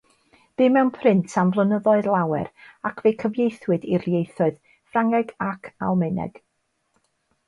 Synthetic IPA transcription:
b̥ɨmɛwnpʰrɪntʰamvlˠənəðɔɨðlˠawɛ̰ɾakʰv̥ejkʰəvjejθwɨdirjejθɔɨð | fraŋɛɡakʰa̰lˠmɪnɛ̰ɡ̥

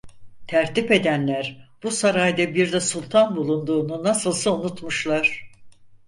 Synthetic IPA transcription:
t̪ʰæɾt̪ipe̞d̪ænlʲæɾb̥usaɾajd̪abiɾd̪ɛsulʲˠt̪ʰanbulˠund̪uːnunasɯlˠsɯunut̪muʃlˠaɾ̥

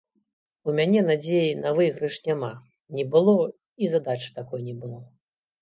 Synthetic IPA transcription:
umʲanʲɛnad͡zʲejinɐvɨjɣɾɨʂnʲama | nʲɛbɨlˠɔ | izad̪at͡ʂɨ̥t̪akɔjnʲɛbɨlˠɔ

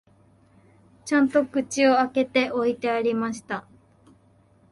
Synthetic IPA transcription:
t͡ɕãnt̪o̞kɯ̟t͡ɕio̞ake̞t̪e̞ʔo̞it̪e̞aɾʲimaɕi̥t̪a

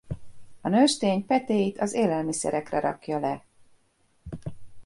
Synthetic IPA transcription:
ɒnøʃt̪eːɲpɛt̪eːjit̪ɒzeːlɛlmisɛ̰ɾɛkrɛɾɒ̰kjɒlɛ

